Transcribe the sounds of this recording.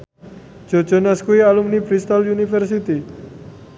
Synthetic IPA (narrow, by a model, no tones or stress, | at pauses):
d͡ʒ̥od͡ʒɔnaskuialumnifɾist̪aljunifɛrsit̪i